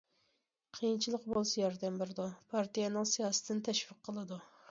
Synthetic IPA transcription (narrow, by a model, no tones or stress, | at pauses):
qʰijint͡ʃʰilˠəqbolˠsɛjɑɾd̪ɛmbɪɾɪd̪upʰɑɾt̪ʰijɛnɪŋsijɑːsɨ̥t̪ʰɪnt̪ʰɛʃvəqʰːəlˠɨd̪u